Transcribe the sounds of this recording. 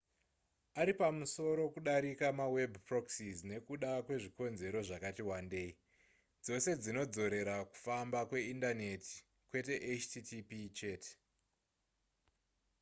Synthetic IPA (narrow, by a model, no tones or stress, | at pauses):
aɾipamuso̞ɾo̞kuɗaɾikamawe̞bʱpro̞ksizne̞kuɗakwe̞ʐiko̞nze̞ɾo̞ʐakatiwande̞i | d͡zo̞se̞d͡zino̞d͡zo̞ɾe̞ɾaku̥fambakwe̞indane̞ti̥ | kwe̞te̞ʔet͡ʃtitipit͡ʃeːte̥